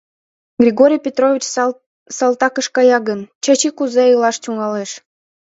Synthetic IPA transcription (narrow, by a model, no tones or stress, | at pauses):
ɡrʲiɣoɾʲijpʲet̪rovʲit͡ɕ | sɑlˠt̪ɑkəʃkɑjɑɡənt͡ɕɑt͡ɕikuzeəlɑʃt͡ɕʲuŋɑleʃ